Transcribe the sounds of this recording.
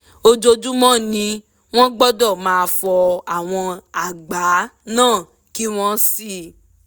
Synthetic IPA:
o˧d͡ʒo˧d͡ʒu˦mɔ̃˦nĩ˧˦ | w̃ɔ̃˦ɡ͡bɔ˦dɔ˦˨mãː˨˦˧fɔ˧a˦˨w̃ɔ̃˧a˦˨ɡ͡ba˨˦nãː˦˨ | ki˦w̃ɔ̃˦si˦˨

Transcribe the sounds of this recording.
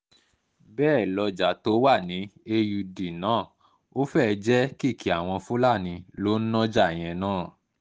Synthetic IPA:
bɛː˦˨lɔ˧d͡ʒa˨˦to˨˦wa˦˨nĩ˨˦e˧ju˧di˨nãː˨˦˨ | o˦fɛ˦˨d͡ʒɛ˦ki˦˨ki˨˦a˨w̃ɔ̃˧fũ˦la˦˨nĩ˧˦lo˦nɔ̃˦d͡ʒa˦˨j̃ɛ̃˧nãː˦˨

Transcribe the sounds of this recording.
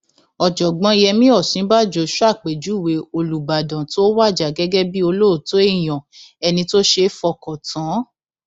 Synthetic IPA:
ɔ˨d͡ʒɔ˨ɡ͡bɔ̃˧˦˧jɛ˧mĩ˦ɔ˦˨sĩ˨˦ba˦˨d͡ʒo˧˦ʃa˦˨k͡pe˨d͡ʒu˨˦˨we˨˦o˧lu˨ba˨dã˨to˦wa˦˨d͡ʒa˨ɡɛ˦ɡɛ˦bi˦o˧lo˦o˨to˨˦e˦˨j̃ɔ̃˨ɛ˧nĩ˧to˦ʃe˧˦fɔ˧˨kɔ˨tã˨˦

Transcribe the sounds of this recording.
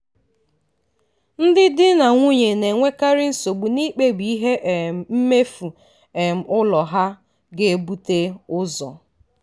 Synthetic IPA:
n̩˦dɪ˦dɪ˦na˨ŋʷu˦ɲe˨ne˨ŋʷe˦ka˦ɾɪ˦n̩˦so˨ɡ͡bu˨ni˦k͡pe˦bi˨i˦ɦe˦ʔm̩˨m̩˦me˦fu˨ | e˨m̩˨ʊ˦lɔ˨ɦa˦ | ɡe˨e˦bu˦te˦ʊ˦zɔ̰˨

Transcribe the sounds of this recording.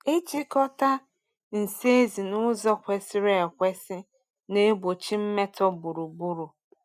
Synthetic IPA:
e˦t͡ʃi˦kɔ˦ta˦ | n̩˨se˦e˦zi˨nʊ˦zɔ˦kʷe˨sɪ˦ɾe˨e˨kʷe˦sɪ˦ | ne˦bo˨t͡ʃi˦m̩˦me˦tʰɔ˦bu˨ɾu˨bu˦ɾu˨

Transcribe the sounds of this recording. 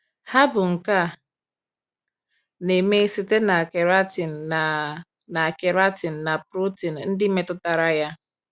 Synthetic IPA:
ha˦bʊ˨ŋ̩˨ka˦˨ | ne˨me˦si˦te˦na˨ke˨ɾa˦ti˨n̩˨ | na˨a˨ke˨ɾa˦ti˨n̩˨na˨pɾu˦ti˨n̩˨n̩˦dɪ˦me˦tʊ˦ta˨ɾa˦ja˦

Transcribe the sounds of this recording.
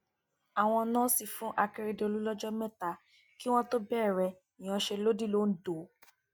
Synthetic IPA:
a˨w̃ɔ̃˧nãː˦si˦˨fũ˨˦ʔa˧ke˦ɾe˧de˧o˧lu˦lɔ˦d͡ʒɔ˦mɛ̃˦˨ta˧ | ki˦w̃ɔ̃˦to˦bɛ˦˨ɾɛ˧ | i˨j̃ã˧ʃe˧lo˦di˦˨lo˦n̩˦do˨˦

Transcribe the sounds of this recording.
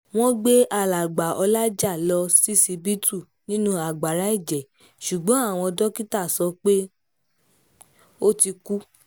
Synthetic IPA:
w̃ɔ̃˦ɡ͡be˦ʔa˧˨la˨ɡ͡ba˨ʔɔ˧la˦d͡ʒa˦˨lɔ˧si˦si˧bi˦tu˦˨ | nĩ˦nũ˦a˨ɡ͡ba˨ɾa˨˦i˦˨d͡ʒɛ˨ | ʃu˨ɡ͡bɔ̃˨˦a˦˨w̃ɔ̃˧ɔ˧dɔ˦ki˦ta˦˨sɔ˧˦k͡pe˦ | o˦ti˧ku˦

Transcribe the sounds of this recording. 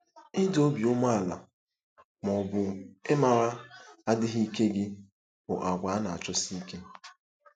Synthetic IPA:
ɪ˦do˦bi˨ʊ˦m˦a˦˨la̰˨ | mɔ˨bʊ˨e˦ma˨ɾa˦a˦dɪ˦ɦi˦i˦ke˦ɡɪ˦ | bʊ˨ʔa˨ɡʷa˨a˦na˨a̰˨t͡ʃɔ˦si˦i˦ke˦

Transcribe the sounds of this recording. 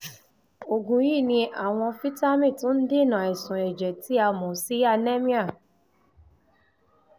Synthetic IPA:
o˨ɡũ˨ji˦˨nĩ˧ʔa˨w̃ɔ̃˧fi˦ta˦mĩ˦˨tũ˦n̩˦de˦˨nã˨ɛ˨sũ˨ɛ˨d͡ʒɛ˨tʰi˨˦a˧mɔ̃˨si˦a˧nɛ̃˦mĩ˦a˦˨

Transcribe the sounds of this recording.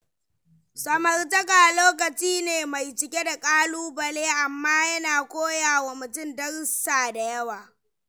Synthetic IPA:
sɐ˨mɐ˨rtɐ˦ka˨loː˦k̬ɐ˨t͡ʃiː˦neː˨ma˨jt͡ʃɪ˨kʲe˦da˨kʼaː˦luː˦bɐ˨leː˦ʔa˨mːaː˦jɐ˦naː˨kʷoː˦jaː˨wa˨mʊ˨tʊ˦mdɐ˦rsaː˨da˨jɐ˦waː˨

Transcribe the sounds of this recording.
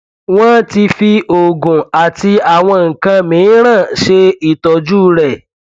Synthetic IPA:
w̃ɔ̃˦ti˧fi˧ʔo˨ɡũ˨a˨ti˧a˨w̃ɔ̃˧ŋ̩˨kã˧mĩ˨˦ɾ̃ã˦˨ʃe˧i˨tɔ˨d͡ʒu˦ɾɛ˨

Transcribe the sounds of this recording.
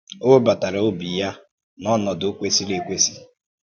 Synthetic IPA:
o˦ba˨ta˨ɾa˨o˦bi˨ja˦ | nɔ˦nɔ˨dʊ˨˦kʷe˦si˦le˨kʷe˦si̥˦

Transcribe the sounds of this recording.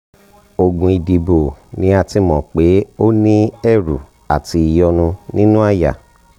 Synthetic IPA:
o˧ɡũ˧i˨di˧bo˨nĩ˦a˧ti˧mɔ̃˨k͡pe˨˦o˦nĩ˦ɛ˦˨ɾṵ˨ | a̰˨ti˨˧i˨jɔ˧nũ˧nĩ˦nũ˦a˦˨ja̰˨

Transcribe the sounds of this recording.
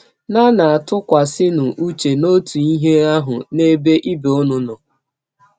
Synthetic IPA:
na˦na˨a˨tʊ˦kʷa˨sɪ˦nʊ˨ʔu˦t͡ʃe˨no˦tu˨i˦ɦe˦a˦ɦʊ˨ne˦be˦ʔi˦be˨o˦nʊ˦nʊ˨

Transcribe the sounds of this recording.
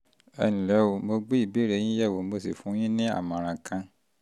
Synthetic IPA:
ɛ̰˧nĩ˨lɛ˨˦wo˨mo˧ɡ͡be˦i˦˨bi˨˦ɾe˧˦j̃ĩ˦jɛ˦˨wo˨mo˧si˨fũ˨˦j̃ĩ˦nĩ˦a̰˦˨mã˨ɾ̃ã˧kʰã˧

